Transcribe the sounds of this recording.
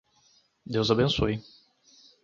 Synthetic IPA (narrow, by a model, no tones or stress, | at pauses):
d̪ewzabẽsoj